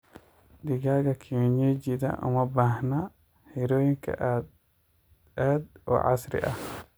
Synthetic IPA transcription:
diɡaɡakʰiɲed͡ʒid̪a̰ʔṵmabahna | hiɾojiŋka̰ʔ | ad̪ɔ̰ʔa̰sɾḭʔa

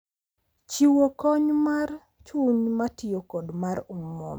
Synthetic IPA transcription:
t͡ʃiwokɔɲmar | t͡ʃuɲmatɪjokodmaɾumːɔ̰m

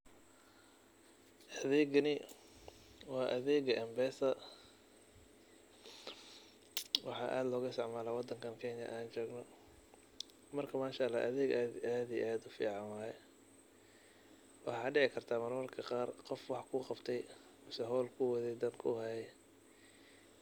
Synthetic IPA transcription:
ʔɐðɛːɡɐnɪ | wɑːʔɐðɛːɡʔɛmbɛːsɐ | wɑħɑ̰ʔa̰ːd̪lɔːɣʊsɑʕmaːlaːwɑd̪ɐŋkʰɐnkʰɛnjɐ̰ʔaːnt͡ʃɔːɡnɔ | mɐrkʰɐmaːʃalaːʔɐðɛːɡaaːd̪ijʔaːd̪ʊfḭːʕɑnwaɛ | wɑħɑːɖɪʕɪkʰɐrt̪ʰaːmɐrmɐrkʰɐqɑːrqɔfwɑħkʰʊːqɑbt̪ʰɛj | ʊsɛɦɔːlkʰʊwɐðɛd̪ɐnkʰʊ̰hɛjɛ

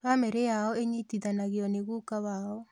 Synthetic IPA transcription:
βamɛɾejaɔeɲitiðanaɣeɔneɣuːkaβaɔ

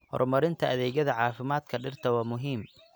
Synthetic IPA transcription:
hɔ̰rmɐɾɪnt̪ʰɐʔɐðɛːɣɐðɐʕɑːfɪmaːd̪kʰɐɖɪrt̪ʰɐwɑːmʊɦiːm

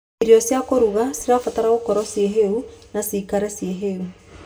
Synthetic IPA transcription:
iɾiɔsjakoɾuɣasiɾafataɾaɣokɔɾɔsjeɦeunasiːkaɾɛsjeɦeu

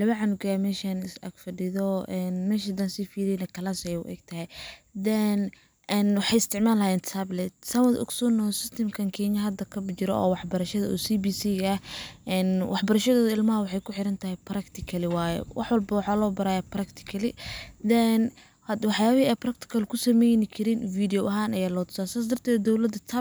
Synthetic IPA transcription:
lɐβɐʕɑnʊɡamɛːʃanɪsɐ̰ɡfɐɖɪðɔɛnmɛːʃ̬ɐd̪ɐnsifiːɾɛjnɐkʰɐlasjʊ̰ʔɛ̰ːɡt̪ʰɐɦɛj | d̪ɛn | ɛnwɑħɑjɪst̪ʰɪʕmaːlɐjɛːnt̪ʰɐblɛt̪̚sɐwɐd̪ʔʊ̰ksɔnɔsɪst̪ʰɐmkʰɐŋkʰɛɲɐɦɐd̪ɐkʰɐbt͡ʃɪɾɔ̰ɔ̰ːwɑħbɐɾɐʃɐðɐɔːsibisiːɣɐhʔɛnwʔɑħbɐɾɐʃɐðɔːðɐɪlmɐɦɐwɑħɑjkʰʊħɪɾɐnt̪ʰɐhɛjpɾɐkt̪ʰɪkʰɐlɪwaːjɛ̰wʔɑ̰ħwɐlbɐwɑħaːlɔːbɐɾaːjaprɐkt̪ʰɪ̥kʰɐlɪd̪ɛn | hɐwɑħjaːβɪhiɛjprɐk̚t̪ʰɪ̥kʰɐlkʰʊsɐmɛjnɪkʰɪɾiːnfiːd̪ɪjɔʔɐɦaːnɐjaːlɔːt̪ʊ̥saːsaːs̬d̪ɐrt̪ʰɛːd̪d̪ɔwlɐd̪ɐt̪ʰɐ

